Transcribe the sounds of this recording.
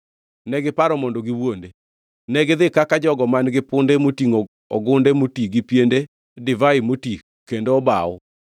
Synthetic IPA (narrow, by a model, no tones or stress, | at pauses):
nɛɡɪpaɾɔmɔndɔɡɪwwonde | nɛɡɪðɪkakad͡ʒɔɡɔmanɡɪpʊndemotiŋo | ɔɡʊndemotiɡɪpjende | dɪvaimoti | kːendoɔbaɔ